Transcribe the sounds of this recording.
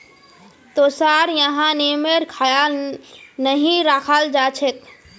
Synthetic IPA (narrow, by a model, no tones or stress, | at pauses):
t̪osaːɾjəɦãnemeɾkʰaja | nəɦĩɾakʰald͡ʒaːt͡ʃʰek̪̚